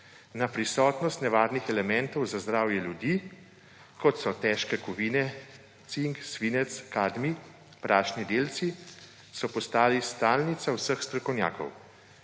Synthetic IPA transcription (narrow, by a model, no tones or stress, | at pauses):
napɾisɔːt̪nɔst̪nɛʋaːdnixɛlɛmɛnt̪ɔwzazd̪ɾaːwjɛljud̪iː | kɔt̪sɔt̪ɛʃkɛkuʋiːnɛ | t̪siŋksʋiːnɛt̪skaːd̪mi | pɾaːʃnid̪eːlt̪si | sɔpɔst̪aːlist̪aːlnit̪sawsəxst̪ɾɔkɔwnja̰ːkɔ̰w